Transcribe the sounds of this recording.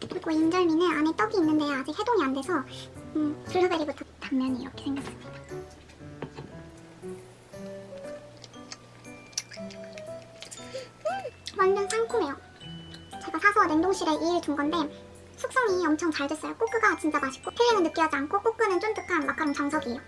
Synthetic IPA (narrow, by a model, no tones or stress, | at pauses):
kɯɾiɡoind͡ʑʌɭminɯnane̞t͈ʌɡiːnːɯnde̞jaad͡ʑik̚he̞doŋiande̞sʰʌɯpɯɭːubeɾibutʰʌtammjʌɲḭːɾʌkʰe̞sʰeŋɡakʰasɯ̥mɲid̥a | mʌndɯnsʰaŋkʰume̞jo | t͡ɕe̞ɡasʰasʰʌne̞ŋdoŋɕʰiɾe̞ʔiiɭt͡ɕuŋɡʌnde̞ | sʰuk̚s͈ʌŋiʌmt͡ɕʰʌŋt͡ɕaɭes͈ʌjok͈ok͈ɯɡat͡ɕindabaɕʰi̥k͈opʰeeŋɯɭnɯpk͈iɦad͡ʑiankʰok͈ok͈ɯnɯnt͡ɕ͈omt͈ɯk͈ʰanmak͈ʰaɾomt͡ɕaŋsʰʌɡio